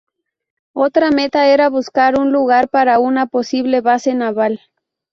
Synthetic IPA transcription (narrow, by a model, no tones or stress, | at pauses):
ot̪ɾamet̪aeɾaβuskaɾunluɣaɾpaɾaunaposiβleβasenaβal